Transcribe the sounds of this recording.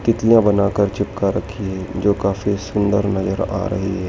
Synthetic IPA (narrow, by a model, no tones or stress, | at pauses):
t̪ɪt̪lijãbɐnaːkəɾt͡ʃɪp̚kaɾɐkʰːiɦɛːd͡ʒoːkaːfisʊ̃nd̪ə̰ɾnɐzəɾa̰ːɾɐ̰ɦiɦɛː